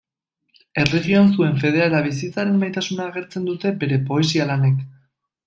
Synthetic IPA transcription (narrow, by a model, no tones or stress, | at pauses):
e̞reɣio̞ansue̞ɱfe̞ð̞e̞alaβis̬it͡saɾe̞mbajt̪asunaːɣ̞e̞ɾt͡se̞nd̪ut̪e̞be̞ɾe̞po̞e̞sialane̞k